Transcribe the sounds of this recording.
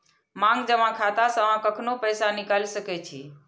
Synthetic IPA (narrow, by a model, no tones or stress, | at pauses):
mãːŋɡd͡ʒəmãkʰaːt̪asəʋãkəkʰnopəjsanɪkalisəket͡ʃʰiː